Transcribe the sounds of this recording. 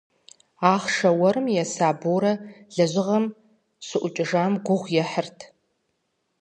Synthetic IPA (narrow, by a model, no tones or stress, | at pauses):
aːχʂɐwɐɾɨmjɛsaːboːɾɐɮɐʒʷɪʁɐm | sɨʔʷʊt͡ʃʼɪʐaːmɡʷʊʁʷjɛħərtʰ